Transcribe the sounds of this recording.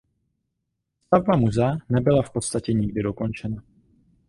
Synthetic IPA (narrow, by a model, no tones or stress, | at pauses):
st̪avbamuzanɛbɪlafpo̞t̪st̪acɛɲɪɡdɪdo̞ko̞nt͡ʃɛna